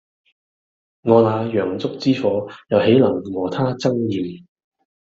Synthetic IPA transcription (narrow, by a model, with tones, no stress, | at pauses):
ŋɔː˨˧naː˨˧jœː˨˩ŋt͡sʊ˥k̚t͡siː˥fɔː˨˥jɐ˨whe˨˥jlɐ˨˩ŋŋɔː˨˩t̪ʰaː˥t͡sɐ˥ŋjiː˨m